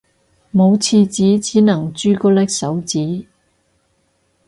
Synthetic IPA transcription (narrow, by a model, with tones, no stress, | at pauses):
mo˨˧wt͡sʰiː˧t͡siː˨˥t͡siː˨˥nɐ˨˩ŋt͡ʃyː˧kɔː˧lɛ˥k̚sɐ˨˥wt͡siː˨˥